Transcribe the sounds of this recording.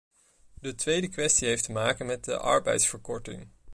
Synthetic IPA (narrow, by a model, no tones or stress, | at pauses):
dətʋejdəkʋɛstiɦejftəmaːkənmɛt̚də̰ʔɑ̰ɹbɛ̰jtsfəɹkɔɹtɪ̰ŋ